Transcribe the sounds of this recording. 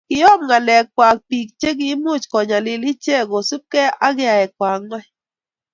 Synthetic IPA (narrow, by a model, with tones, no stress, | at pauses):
kɪ˨jɔ˦˨mŋa˨lɛ˨k̚kwa˨k̚pi˨k̚t͡ʃe˦ɡ̬i˦mu˦˨t͡ʃkɔ˨ɲa˨lɪ˨li˦t͡ʃe˦˨ɡo˨su˦p̚kɛ˦a˦ɡɪ˦a˨ɛ˨k̚wa˨ŋa˦